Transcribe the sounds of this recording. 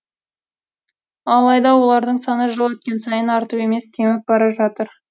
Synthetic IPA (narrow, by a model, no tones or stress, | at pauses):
ɑlˠɑjd̪ɑwo̞lˠɑɾd̪əɴsɑnəʒolˠet̪̚kʲe̞nsɑjənɑɾt̪əpe̞me̞st̪ʲʰemɪp̚bɑɾɑʒɑt̪əɾ